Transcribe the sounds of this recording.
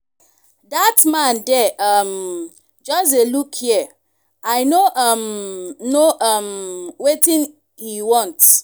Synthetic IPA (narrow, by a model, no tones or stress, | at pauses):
datmãndɛʔʌm | d͡ʒɔs̬elukhiə | ajnoʔʌmnoʔʌmwetĩn | hiwɔ̃nt